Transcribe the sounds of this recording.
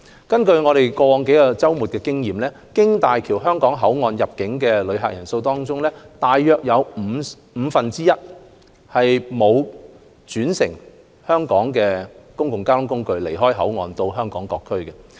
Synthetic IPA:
kɐ˥nkɵ˧ɥŋɔː˨˧ɾe˨jkɔː˧wɔː˨˧ŋke˨˥jkɔː˧t͡sɐ˥wmuː˨t̚kɛː˧kɪ˥ŋjiː˨mlɛː˥ | kɪ˥ŋt̪aː˨jkʰiː˨˩wɦœː˥ŋkɔː˨˥ŋɦɐ˨˥wŋɔː˧njɐ˨p̚kɪ˨˥ŋkɛː˧lɵ˨˧ɥɦa̰˨k̚jɐ˨˩nso˧wt̪ɔː˥ŋt͡sʊ˥ŋlɛː˥t̪aː˨jːœː˨˧k̚jɐ˨˧wm̩˨˧ | m̩ː˨˧fɐ˨nt͡siː˥jɐ˥t̚ | hɐ˨jmo˨˧w | t͡ʃyː˨˥nsɪ̰˨˩ŋ | hœː˥ŋkɔː˨˥ŋkɛː˧kʊ˥ŋkʊ˨ŋkaː˥tʊ˥ŋkʊ˥ŋkɵ˧ɥle˨˩jɦɔː˥jɦɐ˨˥wŋɔː˨nt̪o˧wɦœː˥ŋkɔː˨˥ŋkɔː˧kʰːɵ˥ɥkɛ˨

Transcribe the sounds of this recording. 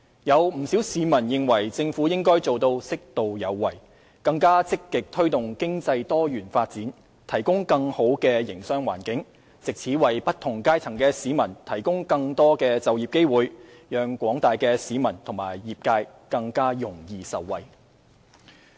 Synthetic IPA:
jɐ˨˧wm̩˨˩siː˨˥wsiː˨˥mɐ˨˩njɪ˨˧ŋwɐ˨˩jt͡sɪ˧ŋfuː˨˥jɪ˥ŋkɔː˥jt͡so˨wt̪o˧wsɪ˥k̚t̪o˨wjɐ˨˧wːɐ˨˩j | kɐ˧ŋkaː˥t͡sɪ˥kːɪ˨k̚t̪ʰɵ˥ɥt̪ʊ˨˩ŋkɪ˥ŋt͡sɐ˧jt̪ɔː˥jyː˨˩nfaː˧t̚t͡siː˨˥n | t̪ʰɐ˨˩jkʊ˥ŋkɐ˧ŋho˨˥wkɛː˧jɪ˨˩ŋsœː˥ŋwa̰ː˨˩nkɪ˨˥ŋ | t͡sɪ˨k̚t͡sʰiː˨˥wɐ˨jpɐ˥t̪̚ʰːʊ˨˩ŋkaː˥jt͡sʰɐ˨˩ŋkɛː˧siː˨˥mɐ˨˩nt̪ʰɐ˨˩jkʊ˥ŋkɐ˧ŋt̪ɔː˥kɛː˧t͡sɐ˨wjiː˨p̚ke˥jwuː˨jjœː˨ŋkʷɔː˨˥ŋt̪aː˨jkɛː˧siː˨˧˥mɐ˨˩nt̪ʰʊ˨˩ŋma̰ː˨˩jjiː˨p̚kaː˧jkɐ˧ŋkaː˥jʊ˨˩ŋjiː˨˧sɐ˨wːɐ˨j

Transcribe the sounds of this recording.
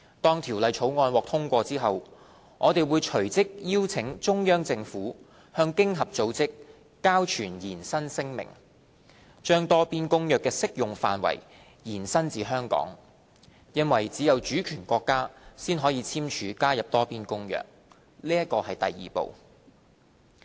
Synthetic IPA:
t̪ɔː˥ŋt̪ʰiː˨˩wlɐ˨jt͡ʃʰo˨˥wŋɔː˧nwɔː˨k̚t̪ʰʊ˥ŋkʷɔː˧t͡siː˥ɦɐ˨w | ŋʔɔː˨˧t̪e˨jwuː˨˧jt͡ʃʰɵ˨˩ɥt͡sɪ˥k̚jiː˥wt͡sʰɪ˨˥ŋt͡ʃʊ˥ŋjœː˥ŋt͡sɪ˧ŋfuː˨˥ | hœː˧ŋkɪ˥ŋɦɐ˨p̚t͡so˨˧wt͡sɪ˥k̚ː | aː˥wt͡ʃʰyː˨˩njiː˨˩nsɐ˥nsɪ˥ŋmɪ̰˨˩ŋ | t͡ʃœː˥ŋt̪ɔː˥piː˥nkʊ˥ŋjœː˨kːɛː˧sɪ˥k̚jʊ˨ŋfa̰ː˨nwɐ̰˨˩j | jiː˨˩nsɐ˥nt͡siː˨ɦœː˥ŋkɔ̰ː˨˥ŋ | jɐ˥nwɐ˨˩jt͡siː˨˥jɐ˨wt͡ʃyː˨˥kʰyː˨˩nkʷɔː˧kːaː˥siː˥nɦɔː˨˥jiː˨˧t͡sʰiː˥mt͡ʃʰyː˨˧kaː˥jɐ˨p̚t̪ɔː˥piː˥nkʊ˥ŋjœ̰ː˨k̚ | liː˥jɐ˥t̚kːɔː˧hɐ˨jt̪ɐ˨jːḭː˨po̰˨w

